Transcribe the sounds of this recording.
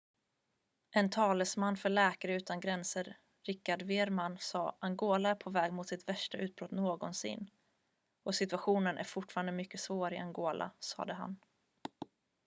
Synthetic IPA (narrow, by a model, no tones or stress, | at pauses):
ʔɛnt̪ʰɑːləsmanːfœɭɛːkaɾəʉ̟ːt̪anɡɾɛnsəɾ | ɾɪkːaɖveːɾmansɑːʔaŋɡoːlaæɾpʰɔvɛːɡmʊt̪sɪt̪væʂʈaʔʉ̟ːt̪̚bɾɔt̪noːɡɔnsɪ̰nː | ɔsɪt̪ɵaɧuːnənʔæ̰ɾfʊʈfɑːɾand̪əmʏkːəsvoːɾɪʔaŋɡoːlʔa̰sɑ̰ːd̪əɦa̰n